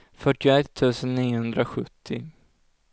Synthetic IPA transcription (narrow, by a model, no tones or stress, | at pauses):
fœʈɪɛt̪ʰːʉ̟ːsənːiːʊhɵnd̪ɾaɧɵ̰t̪ʰːɪ